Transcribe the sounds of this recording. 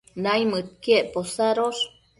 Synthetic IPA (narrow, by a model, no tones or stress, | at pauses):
najmɨt̪̚kieʔposaɾos